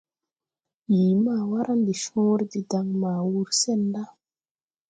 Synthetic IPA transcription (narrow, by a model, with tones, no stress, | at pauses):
jiː˨ma˨wa˦ɾʔa˦nd̪i˨ʃũ˦ɾd̪i˨da˧ŋma˨wu˦ɾse˦˨nda˦